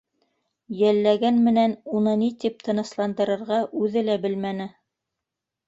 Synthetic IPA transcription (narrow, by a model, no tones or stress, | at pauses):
jælːæɡænmɘ̆nænunɤnit̪ip̚t̪ʰɤ̆nɤ̆slˠɑnd̪ɤ̆ɾɤ̆ɾʁɑʔʉðɘlæbɘlmænɘ